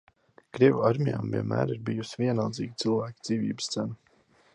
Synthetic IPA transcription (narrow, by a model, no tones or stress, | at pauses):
kɾiɛvuaɾmʲija̰ːmviɛ̰nmæ̰ːɾiɾbijusivʲiɛnalˠd̪ziːɡʲit̪sɨlˠvæːkʲid̪z̥iːvḭːbəst̪sænu